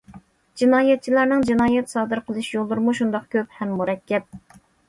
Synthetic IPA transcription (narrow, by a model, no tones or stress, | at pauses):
d͡ʒinɑːjɛt̪̚t͡ʃʰilæɾnɪŋd͡ʒinɑːjɛt̪sɑːd̪ɨɾqʰəlˠɨʃjolˠːuɾɨmuʃund̪ɑq̚kʲʰøp̚hɛmːuɾɛkʲʰːɛp̚